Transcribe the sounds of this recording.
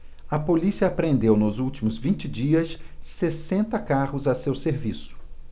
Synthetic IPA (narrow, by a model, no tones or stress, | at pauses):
ɐpolisiɐːpɾẽnd̪ewnʊzuwt͡ʃimʊzvĩnt͡ʃɪd͡ʒiɐsːesẽnt̪ɐkaʁʊzɐsewseɾvisʊ̥